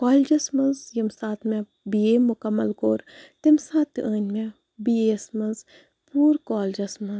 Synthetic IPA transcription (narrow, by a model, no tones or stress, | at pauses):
kɔːld͡ʒɐsmɐnzjɐmsaːt̪mẽ | bieːmʊkɐmːɐlkoːɾt̪ɪmsaːt̪ːʔəːnʲmẽ | biesmɐnz | puːɾkɔːld͡ʒɐsmɐnz